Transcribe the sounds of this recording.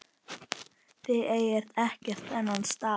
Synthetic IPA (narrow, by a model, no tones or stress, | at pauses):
θɪðeːjɛɾ̥t̪ɛhcɛr̥t̪ɛnːanst̪aː